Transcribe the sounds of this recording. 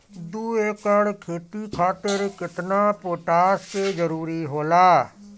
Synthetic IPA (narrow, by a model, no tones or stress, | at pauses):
d̪uːeːkəɽkʰeːt̪iːkʰaːt̪əɾkɪt̪naːpoːʈaːsteːd͡ʒəɾuːɾiːɦoːlaː